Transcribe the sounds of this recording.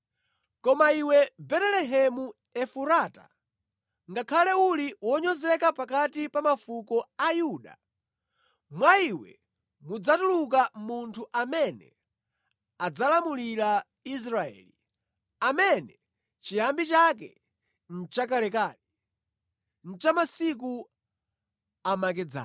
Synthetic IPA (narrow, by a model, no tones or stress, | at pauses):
kɔmaiwɛbɛtɛlɛɦɛmu | ɛfuɾaːta̰ | ŋɡakʰalɛuliwɔɲɔzɛkapakatipamafukɔajuːɗa̰ | mwaiwɛ̰ | mud͡zatulukamuntʰuʔamɛnɛ̰ | ad͡zalamulila | is̬ɾaɛ̰ːli | amɛnɛ | t͡ʃijambit͡ʃak̬ɛ̰ | n̩t͡ʃakalɛkaːɗi | n̩t͡ʃamasik̬u | amakɛd͡za̰